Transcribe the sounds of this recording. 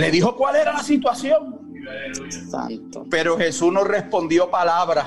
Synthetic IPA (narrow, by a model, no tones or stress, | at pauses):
le̞ðiɦo̞kwale̞ɾalasit̪waθjõ̞ŋ | a̰t̪pe̞ɾohe̞sunore̞spõ̞nd̪jo̞palaβɾa